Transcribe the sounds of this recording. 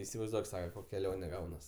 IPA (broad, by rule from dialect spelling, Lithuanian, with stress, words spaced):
ɪsʲɪʋɐɪzˈduɔk ˈsɑːkɐ ˈkoːkʲ kʲɛˈlʲoːnʲɛ ˈɡɐʊnɐs